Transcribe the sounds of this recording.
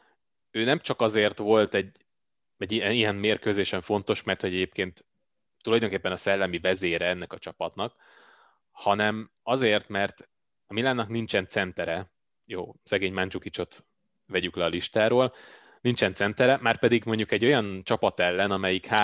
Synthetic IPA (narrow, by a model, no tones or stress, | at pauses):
øːnɛmt͡ʃɒkɒzeːrt̪ʋo̞lt̪ɛɟː | ɛɟːiɛijɛnmeːrkøːzeːʃɛɱfo̞n̪t̪o̞ʃmɛrt̪ho̞ɟɛɟeːpkeːnt̪ː | ulɒjd̪oŋkeːpːɛnɒsɛlːɛmivɛzeːɾɛɛnːɛkɒt͡ʃɒpɒt̪nɒk | hɒnɛm | ɒzeːrt̪mɛrt̪ | ɒmilaːnːɒknint͡ʃɛnt̪sɛnt̪ɛɾɛ | jo̰ːsɛɡeːɲmaːnt͡ʃukit͡ʃo̞t̪ | ʋɛɟyklɛɒliʃt̪aːɾoːl | nint͡ʃɛnt̪sɛnt̪ɛɾɛmaːrpɛd̪iɡmo̞ɲɟukɛɟːo̞jɒnt͡ʃɒpɒt̪ɛlːɛnɒmɛjikha